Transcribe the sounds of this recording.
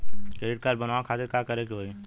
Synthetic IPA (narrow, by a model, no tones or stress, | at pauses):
kɾeːɖɪʈ̚kaːɾbənaːakʰaːt̪ʰekakəɾekiɦoi